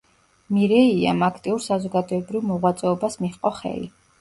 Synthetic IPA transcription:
miɾɛia̰makʰt̪ʼiuɾsazɔɡad̪ɔɛbɾivmɔʁwat̪sʼɛɔbasmiχqʼɔχɛ̰li

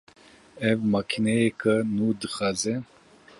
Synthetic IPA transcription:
ɛvmakʰinɛjekʰɨnuːd̪ɨxaːzɛ

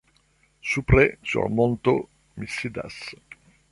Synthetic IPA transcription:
supɾesṵrmont̪o̰ | misid̪a̰s

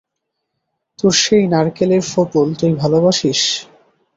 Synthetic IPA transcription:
t̪uɾʃejnaɾkeleɾfubolt̪ojbʱalobaʃiʃ

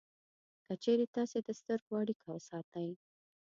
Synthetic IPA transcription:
kət͡ʃeɾet̪ɑsed̪əst̪əɾɡwɑɽikʰawəsɑt̪əj

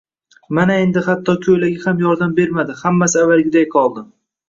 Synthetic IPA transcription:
manae̞nd̪ɪhat̪ʰːɒkʲʰɵjlaɡʲahamjɒɾd̪ambe̞ɾmad̪ɪhamːasɪavːalˠɡʲɪd̪ajqʰɒlˠd̪ɪ

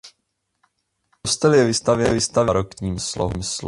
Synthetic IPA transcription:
ost̪ɛljɛvɪst̪avjɛvɪst̪avɾokɲiːmslo̰ɦumsl

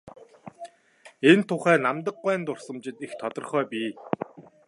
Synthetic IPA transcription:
ent̪ʰːʊχæːnamt̪ə̆qːæːnt̪ʊr̥sə̆mt͡ɕɪ̆t̪ixt̪ʰɔt̪ɞ̆rχœːpʲiː

